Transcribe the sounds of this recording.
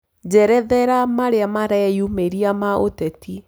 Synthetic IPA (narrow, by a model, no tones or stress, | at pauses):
d͡ʒɛɾɛðɛɾamaɾeamaɾɛɛjumeɾiamaʔotɛti